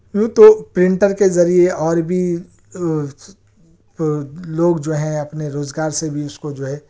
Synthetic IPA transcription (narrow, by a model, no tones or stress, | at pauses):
jũːt̪opɾɪ̃ɳʈəɾkezɐɾieɔːɾbʱi | loːɡd͡ʒoːɦɛ̃ɐpneɾoːzɡaːɾsebʱiʊskod͡ʒoːɦɛ̃ː